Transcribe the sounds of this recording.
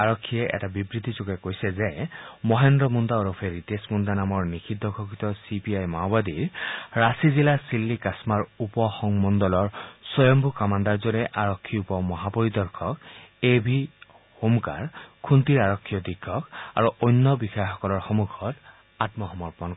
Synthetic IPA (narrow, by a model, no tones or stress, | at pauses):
aɹɔkʰːijeʔɛ̰tabibɹit̪it͡ʃukekojsezemɔɦend̪ɾɔmund̪aɔɾɔpʰeɾit̪esmund̪anamɔɹnikʰid̪ʱːɔkʰokit̪ɔsipiajma̰wbad̪iɹɹasizilasilːikasmaɹupɔxɔŋmɔnd̪ɔlɔɹsɔjɔmbukamand̪aɹd͡ʒɔɾeʔaɹɔkʰːiupɔmɔɦapɔɹid̪ɔɹkʰɔkebʱi | humka̰ɹkʰunt̪iɹaɹɔkʰːijɔd̪ikʰːɔka̰ɹuʔojnːɔbixaxɔkɔlɔɹxɔmukʰɔt | atmɔɦɔmːɔɹpɔn